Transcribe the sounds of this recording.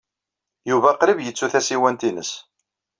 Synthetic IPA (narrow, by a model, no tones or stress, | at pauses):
juvæqɾəvjət͡sːuθæsiwænt̪inəs